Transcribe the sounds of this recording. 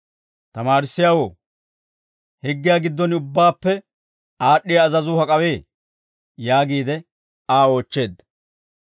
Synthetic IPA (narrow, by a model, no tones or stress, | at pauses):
t̪ɐmaːɾɪsːɪjaːwo̞̰ː | hɪɡːɪjaːɡɪd̪ːɔnʊbːaːpːɛ | aːɗːɪjaːzɐzʊhɐkʼɐwe̞ː | jaːɡiːd̪ɛ | aːo̞ːt͡ʃːe̞ːd̪ːɐ